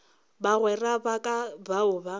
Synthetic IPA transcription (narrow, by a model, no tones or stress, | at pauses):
baɣwɛrabakʼabaʊba